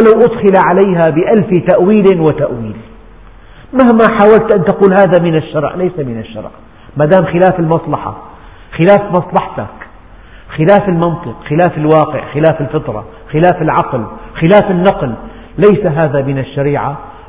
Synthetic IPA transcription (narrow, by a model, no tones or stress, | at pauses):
lawʔʊd̪xɪlaʕalajɦabɪʔalfɪt̪aʔwiːlɪnwɪt̪aʔwiːl | mahmaħaːwalt̪ʔant̪aquːlhaːðamɪnaʃːɑɾˤʕlajsamɪnaʃːɑ̰ɾˤʕ | mad̪aːmxɪlaːfɪlmɑsˤlɑħɑ̰ | xɪlaːfmɑsˤlɑħt̪a̰k | xɪlaːfɪlmɑnt̪ˤɨqxɪlaːfɪlwɑːqɪ̰ʕxɪlaːfɪlfɪt̪ɾˤɑ̰ | xɪlaːfɪlʕɑqlxɪlaːfɪnːɑql | lajsaɦaːðamɪnaʃːaɾiːʕa